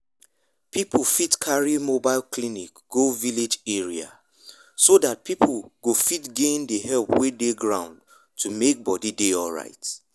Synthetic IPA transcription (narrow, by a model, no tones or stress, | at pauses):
pipʰfitkʰaɹimobaɪlklinikɡ̥oviled͡ʒɛɹia̰ | sodat̚pʰipʰɡofitɡẽndəɦɛlˠpwedeɡɹãʊ̃nd | tʰumek̚bɔdideɔlɹa̰ɪt